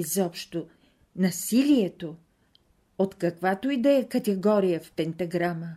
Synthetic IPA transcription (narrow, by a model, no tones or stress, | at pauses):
zɔpʃt̪o | nɐsiliɛt̪o | ot̪kɐkvat̪oid̪ɛɛkɐt̪ɛɡɔɾijəfpɛnt̪ɐɡɾamə